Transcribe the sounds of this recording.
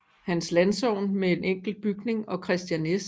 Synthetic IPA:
hænslænsɒʊ̰nmee̝nʔeŋ̰ɡ̥l̩̥b̥yɡ̥ne̝ŋɒ̽kʰʁɛsd̥jænes

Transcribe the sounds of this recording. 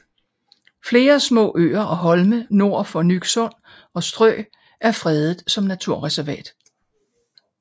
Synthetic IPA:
fle̝ːɐsmɔ̰̽ːʔø̰ːɐʔɒ̽ɦɒ̽lməno̝ɐ̰fɒ̽nyɡ̥sɔ̽n̰ | ɒ̽sd̥ʁœ̰ː | ʔæɐfʁɛːð̞ˠð̩ˠsɒ̽mnæt͡sʰuɐ̰ʁɛsæɐʋɛ̰ːd̥

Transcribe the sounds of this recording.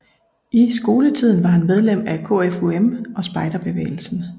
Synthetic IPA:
isɡ̥o̝ːlət͡sʰið̞̰ˠn̩ʋɑ̈ɦænmeð̞ˠlem̰ækʰo̝ːefuemɒ̽sb̥ɑ̈ɪd̥ɐb̥e̝ʋḛːɪl̩sn̩

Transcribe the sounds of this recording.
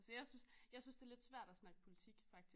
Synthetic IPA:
səjɑ̈ɪsynsjɑ̈ɪsynsd̥e̝æɐled̥sʋæɐ̰d̥æsnɑ̈ɡ̥əpʰo̝lit͡sʰiɡ̥fɑ̈ɡ̥̚d̥i

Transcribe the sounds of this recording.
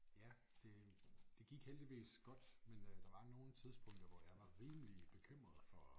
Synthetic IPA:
jæ | d̥e̝d̥e̝ɡ̥iɡ̥held̥iʋḭːsɡ̥ɒ̽d̥mend̥ɑ̈ʋɑ̈no̝ːn̩t͡sʰið̞ˠsb̥ɔ̽ŋ̰d̥ɐʋɒjɑ̈ɪʋɑ̈ʁiːmlib̥e̝kʰøm̰ʁɐðˠfɒ

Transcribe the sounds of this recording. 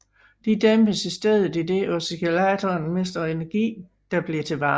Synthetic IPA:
d̥id̥emb̥əsisd̥eð̞ˠð̩ˠid̥e̝ʔɒsikelæt͡sʰɒnme̝sd̥ɐe̝nɐɡ̥ḭː | d̥ɑ̈b̥liɐt͡sʰe̝ʋɑ̈ː

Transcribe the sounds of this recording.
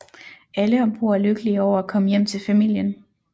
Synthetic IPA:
æləɒ̽mb̥ʰo̝ɐ̰æɐløɡ̥əliɒʊ̰ɐækʰɒ̽məjem̰t͡sʰe̝lfæmil̰jən

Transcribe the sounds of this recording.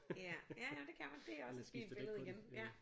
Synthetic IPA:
jæjææd̥e̝kʰæmænd̥e̝ɒ̽səsɡ̥ḭːnbelð̩ˠɡ̥enjæ

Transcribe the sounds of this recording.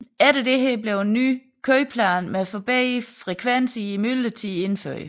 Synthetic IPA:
æɾəd̥eɦɛɐb̥le̝ʊenːy̰ː | kʰøɪpʰlæːnmeæfɔ̽b̥ɛ̰ɪfʁɛkʰʋensiimylət͡sʰie̝nfø̰ɐ̰j

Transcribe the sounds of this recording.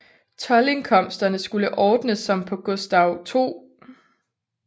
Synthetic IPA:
t͡sʰɒ̽le̝nkʰɒ̽m̰sd̥ɐnəsɡ̥uləʔɒːd̥nəsɒ̽mpʰɒ̽ɡ̥ɔsd̥ɑ̈ʊt͡sʰo̝̰ː

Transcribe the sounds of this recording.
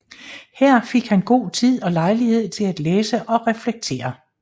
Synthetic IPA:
hæɐ̰fe̝ɡ̥hænɡ̥o̝̰ːt͡sʰið̞̰ˠɒ̽lɑ̈ɪlihe̝ð̞̰ˠt͡sʰe̝læd̥leːsəʔɒ̽ʁɛfleɡ̥̚t͡sʰe̝̰ːɐ

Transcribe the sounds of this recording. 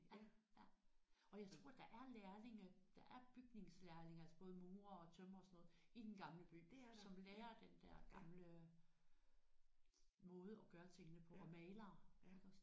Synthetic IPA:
ɒ̽jɑ̈ɪt͡sʰʁo̝ɐ̰d̥ɑ̈ʔæɐleːɐle̝ŋəd̥ɑ̈ʔæɐb̥yɡ̥ne̝ŋslæɐle̝ŋælsɐb̥ɔ̽ːð̞ˠəmuːɐɒ̽t͡sʰømɐɒ̽sɒnɔ̽ːð̩ˠid̥enɡ̥ɑ̈mləb̥y̰ːsɒ̽mleːɐd̥end̥æɐ̰ɡ̥ɑ̈mlə | mɔ̽ːð̞ˠəɒ̽ɡ̥ɶːɐt͡sʰe̝ŋənəpʰɒ̽mɛːlɐːeɡ̥s

